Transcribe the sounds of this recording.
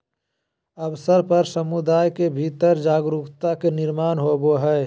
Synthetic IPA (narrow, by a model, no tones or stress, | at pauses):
əbsəɾpəɾsəmud̪aːjkebʱiːt̪əɾd͡ʒaːɡɾupt̪akenɪɾmaːnɦoboɦɛː